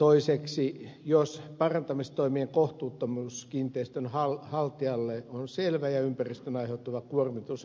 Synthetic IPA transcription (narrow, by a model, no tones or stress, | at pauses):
t̪oiseksijospɑrɑnt̪ɑmist̪oimieŋkoht̪uːt̪ːomuskint̪ˑeist̪ønhɑlhɑlt̪iɑlːeonselʋæjɑympærist̪ønɑiheut̪ːuʋɑkuormit̪us